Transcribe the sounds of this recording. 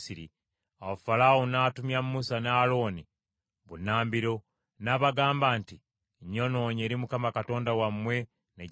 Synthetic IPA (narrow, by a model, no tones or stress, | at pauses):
siɾḭ | awafalawonaːtumjamːusanaːlo̞ːni | βunaːmbiɾo̞ | naːβaɡaːmbaːnti | ɲːo̞no̞ɲe̞ːɾimukamakato̞ːndawamwe̞ | ne